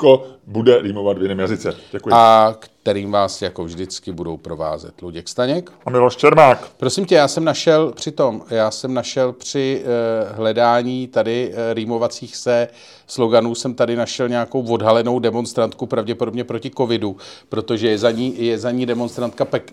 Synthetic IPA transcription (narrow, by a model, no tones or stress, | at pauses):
kobudɛɾiːmovat̪vjɪnɛːmjazɪt͡sɛɟ̥ɛkujɪakt̪ɛɾiːmvaːsjako̞vʒdɪt͡skɪbudo̞wpɾo̞va̰ːzɛ̰t̪luɟɛkst̪aɲɛkʔamɪloʃt͡ʃɛɾmaːkpɾo̞sɪmcɛjaːsɛmnaʃɛlpr̥ɪt̪o̞mjaːsɛmnaʃɛlpr̝̥ɪɦlɛdaːɲiːt̪adɪɾiːmo̞vat͡siːxsɛ | slo̞ɡanuːsɛmt̪adɪnaʃɛlɲɛako̞wvo̞dɦalɛno̞wdɛmo̞nst̪ɾant̪kupɾavɟɛpo̞do̞bɲɛpɾo̞cɪko̞vɪdupɾo̞t̪o̞ʒɛjɛzaɲiːjɛzaɲiːdɛmo̞nst̪ɾant̪̚kapɛk